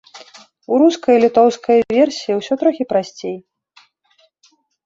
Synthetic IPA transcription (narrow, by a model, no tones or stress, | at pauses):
uɾuskɐjlʲit̪ɔwskʰɐjvʲɛrsʲijiwsʲɔt̪ɾɔxʲipɾasʲt͡sʲej